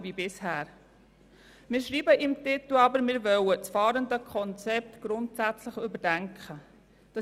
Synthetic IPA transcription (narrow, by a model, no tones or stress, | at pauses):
vibɪshæːɾ | mɪːɾʃɾiːbəʔɪmtɪt̪l̩ɑbəɾmɪːɾʋœwət͡sfɑːɾəndəkʰχɔnt͡sɛp̚t̪ɡ̥ɾʊntsæt͡sləχʏbəɾdæŋkχə | d̥ɑ